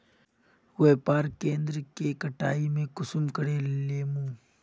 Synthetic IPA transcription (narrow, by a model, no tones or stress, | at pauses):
weːpaːɾkẽːnd̪ɾkekəʈaːimẽkʊsʊmkəɽeleːmũː